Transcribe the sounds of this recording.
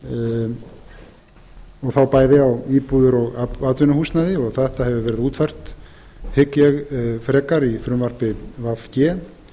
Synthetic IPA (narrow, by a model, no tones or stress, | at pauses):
ɔɣθawpaːjðɪawiːpuðʏɾɔɣaat̪vʏnʏhust̪naðɪɔɣθɛɛht̪ahɛvʏvɛːɾɪðuːt̪far̥t̪ | hɪkjɛɣfɾɛːkaɾifɾʏmvaɾ̥pɪvafcɛː